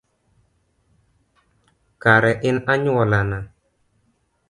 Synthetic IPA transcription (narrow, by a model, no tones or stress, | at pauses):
kaɾɛʔɪnaɲɔlana